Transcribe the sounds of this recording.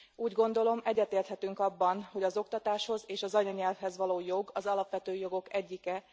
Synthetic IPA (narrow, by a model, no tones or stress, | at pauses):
uːɟɡo̞n̪d̪o̞lo̞mɛɟːɛt̪eːrt̪hɛt̪yŋkɒbːɒnho̞ɟɒzo̞kt̪ɒt̪aːʃho̞zeːʃɒzɒɲɒɲɛlfhɛzʋɒloːjo̞ɡɒzɒlɒpʋɛt̪øːjo̞ɡo̞kɛɟːikɛ